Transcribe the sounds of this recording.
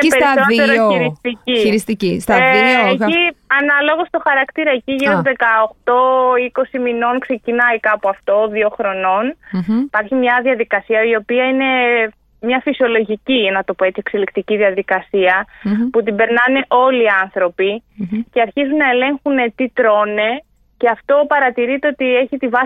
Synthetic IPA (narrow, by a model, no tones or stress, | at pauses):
espeɾisoneɾiɾist̪iciiɾist̪icist̪ɐieiɐnɐlo̞ɣo̞st̪o̞xɐɾɐkt̪iɾɐeciʝiɾozðe̞kɐoxt̪o̞iko̞simino̞nkse̞cinɐikɐpoɐft̪o̞ðio̞xɾo̞no̞nipɐɾçimɲɐðiɐðikɐsiɐio̞piɐine̞ | mɲɐfisio̞lo̞ʝicinɐt̪o̞poe̞t͡siekse̞likt̪iciðiɐðikɐsiɐput̪ibe̞ɾnɐne̞ʔo̞liɐnθɾo̞pice̞ɐɾçizunːɐe̞le̞ŋxunet̪it̪ɾo̞ne̞ | ce̞ɐft̪o̞pɐɾɐt̪iɾit̪eo̞t̪ie̞çit̪ivɐ